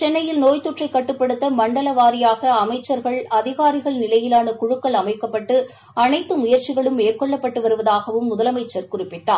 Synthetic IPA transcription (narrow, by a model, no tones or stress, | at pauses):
t͡ʃɛnːɐjɪlnoːjt̪ɔʈrɐɪkːɐʈːɯpːɐɽɯt̪ːɐmɐɳɖɐlɐʋaːɾɪjaːɣɐːmɐɪt͡ʃːɐɾɣɐɭɐðɪɣaːɾɪɣɐɭnɪlɐjɪlaːnɐkʊɻʊkːɐɭɐmɐɪkːɐpːɐʈːɯ | ɐnɐɪt̪ːɯmʊjɐɾt͡ʃɪɣɐɭɯmeːrkɔɭːɐpːɐʈːɯʋɐɾɯʋɐðaːɣɐʋɯmːʊðɐlɐmɐɪt͡ʃːɐɾkʊrɪpːɪʈːa̰ː